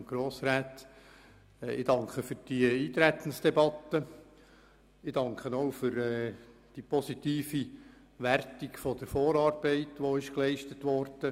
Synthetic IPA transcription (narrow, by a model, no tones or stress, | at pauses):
ɡ̥ɾoːsɾæːt | ɪ̰d̥ɑŋkχəfʏɾd̥iiːt̪ɾæt̪ən̩sd̥ɛbɑt̪ːə | ɪdɑŋkχənoʊfʏɾɛːd̥ipʰɔsit̪iːfi | ʋærtiɡfɔd̥əɾfoːɾɑːrbɛɪtʋoɪʃklɛɪʃtətʋɔɾd̥ə